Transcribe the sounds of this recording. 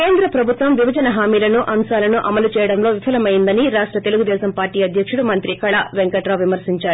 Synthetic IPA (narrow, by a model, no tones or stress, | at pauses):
ke̞ːnd̪ɾɐpɾɐbʱut̪ʋɐmʋibɐd͡ʒɐnɐɦaːmiːlɐnuʔɐmsaːlɐnuʔɐmɐlut͡ʃɛːjɐɽɐmlo̞ːʋipʰɐlɐmɐjind̪ɐniɾaːʂʈɾɐt̪e̞luɡud̪ɛːsɐmpaːɾʈiːɐd̪ʱjɐkʂuɽumɐnt̪ɾikɐɭɐʋeŋkɐʈɾɐːʋimɐɾsiɲt͡ʃaːɾu